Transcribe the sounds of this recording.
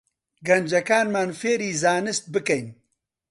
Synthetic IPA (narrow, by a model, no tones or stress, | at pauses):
ɡɐnd͡ʒɐkaːnmaːnfeːɾiːzaːnɨst̪̚bɨkɛjn